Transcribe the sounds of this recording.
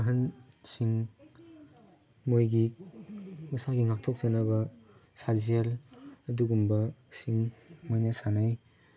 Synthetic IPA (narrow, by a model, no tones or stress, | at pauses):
aɦɐn | siŋ | mojɡi | mɐsaɡiŋak̚tʰɔk̚zɐnɐbɐ | sazelɐduɡumbɐsiŋmojnasanaj